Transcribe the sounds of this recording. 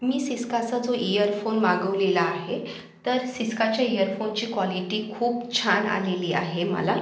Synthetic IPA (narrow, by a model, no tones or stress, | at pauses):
miːsiskat͡sad͡zoijəɾfonmaɡəʋlelaːɦe | t̪əɾsiskat͡ɕjaijəɾfont͡ɕiːkʋɔliʈiːkʰuːpt͡ɕʰana̰leliːʔa̰ɦemə̰la